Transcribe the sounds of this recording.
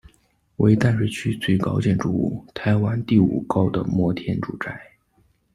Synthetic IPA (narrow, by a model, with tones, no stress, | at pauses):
wḛ˧˥ɪt̪a˥˧nʂɻ̩˥˩t͡ɕʰy˥t͡swe˥˩ɪkɑ˥ʊt͡ɕjɛ˥˩nʈ͡ʂu˥˩ṵ˥˩t̪ʰa˧˥ɪwa˥nt̪i˥˩ṵ˨˩kɑ˥ʊd̪ə̰˨mwɔ˥t̪ʰjɛ˥nʈ͡ʂu˨˩ʈ͡ʂa˥˩ɪ